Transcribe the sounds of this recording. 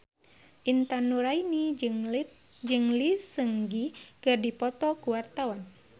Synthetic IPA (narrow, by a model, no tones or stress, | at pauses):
ʔint̪anuɾaini | d͡ʒɨŋlisəŋɡikɨrdipɔt̪ɔkuwart̪awan